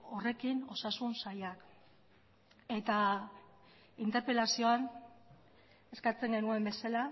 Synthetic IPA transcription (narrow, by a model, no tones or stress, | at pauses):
o̞re̞kino̞sasunsajak | e̞t̪a | int̪e̞ɾpe̞lasio̞an | e̞skat͡se̞ŋɡe̞nue̞mbe̞sala